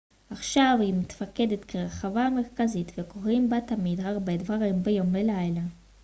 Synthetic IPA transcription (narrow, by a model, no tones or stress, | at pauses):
ʔaχʃavhimet̪fakedetkʰeʁeχavame̞ʁkazitveko̞ʁimbatamidhaʁbe̞dvaʁimbejo̞mːelajla